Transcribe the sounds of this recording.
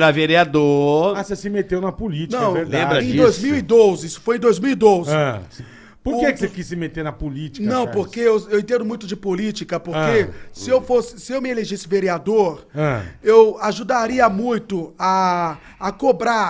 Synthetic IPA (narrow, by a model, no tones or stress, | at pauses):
ɾaveɾiad̪oasesɪmet̪ewnɐpolit͡ʃnɐ̃w̃lẽmbɾɐẽd̪ojzmiwid̪ozɪisʊ̥fojẽd̪ojzmiwid̪ozɪ̃ | poɾkekɪsekisːɪmet̪eɾnɐpolit͡ʃi̥nk̪ɐ̃w̃poɾkeewewẽt̪ẽd̪ʊmũj̃t̪̬ʊd͡ʒɪpolit͡ʃikɐpoɾkesɪewfosɪ̥sɪewmɪeleʒisɪveɾiad̪oɾɐ̃ewaʒud̪aɾiɐmũj̃t̪ʊaː | kobɾa